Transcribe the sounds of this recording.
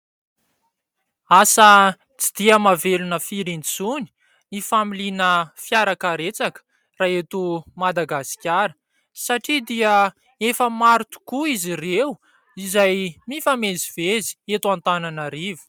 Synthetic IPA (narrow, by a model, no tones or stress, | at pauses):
asə | t͡sid̪̥iəmavelunəfiɾint͡suni̥ | ifamilinəfjaɾakaɾet͡sakə̥ | raːet̪umad̪aɡasi̥kʲaɾə̥ | saʈ͡ʂid̪iə | efəmaɾit̪u̥kuizirew | izajmifamezivezi̥et̪uant̪ananəɾivi̥